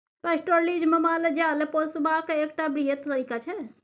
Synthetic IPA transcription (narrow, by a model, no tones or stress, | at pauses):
pɛsʈoɾlid͡ʒməmaled͡ʒaleposubakeekʈabɾijet̪t̪əɾikat͡ʃʰɛ